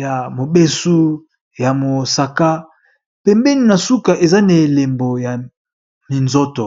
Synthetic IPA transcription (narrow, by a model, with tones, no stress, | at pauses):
ja˨mo˨be˦su˦ | ja˨mo˨sa˨ka˦ | pɛ˨mbɛ˦ni˨na˨su˦ka˨ʔe˨za˦ne˨le˨mbo˨ja˨ | mi˨nzo˦to˨